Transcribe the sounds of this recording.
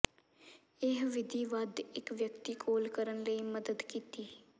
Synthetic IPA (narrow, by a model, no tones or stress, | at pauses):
ɪɦʋɪd̪ʱiːʋəd̪ɪkʋjəkt̪iːkʰoːlkəɾənləiːməd̪əd̪kiːt̪iː